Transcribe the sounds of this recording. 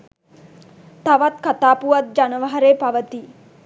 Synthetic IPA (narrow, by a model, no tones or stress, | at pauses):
t̪aʋat̪kat̪aːpuʋat̪̚d͡ʒanəʋaɦaɾeːpaʋət̪i